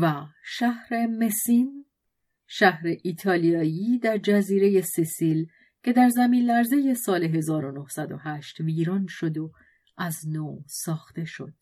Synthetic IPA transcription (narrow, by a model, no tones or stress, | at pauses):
væʃæhɾe̞me̞sin | ʃæhɾe̞ʔiːt̪ʰɒːlijɒːjiːd̪æɾd͡ʒæziːɾe̞je̞sesiːl | cʰe̞d̪æɾzæmiːnlæɾze̞je̞sɒːle̞ɦe̞zɒːɾo̞nohsæd̪o̰ɦæʃt̪viːɾɒːnʃo̞d̪o | ʔæznoːsɒːxt̪e̞ʃo̞̰d̪̥